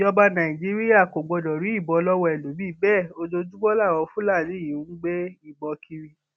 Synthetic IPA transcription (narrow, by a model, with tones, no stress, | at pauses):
jɔ˧ba˧nã˨ĩ˨d͡ʒi˦ɾi˦ja˦˨ko˨ɡ͡bɔ˨˧dɔ˨ɾĩ˨˦i˦˨bɔ˧lɔ˦wɔ˧ɛ˨lo˨˦bi˦bɛː˦˨o˧d͡ʒo˧d͡ʒu˦ɡ͡bɔ˦la˦˨wɔ˧fũ˦la˦˨li˨˦i˨u˨˦ŋ̩˦ɡ͡be˦i˦˨bɔ˧kʰi˧ɾi˧